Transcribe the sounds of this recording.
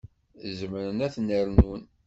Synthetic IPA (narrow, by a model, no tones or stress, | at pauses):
zəmɾənæθnəɾnwən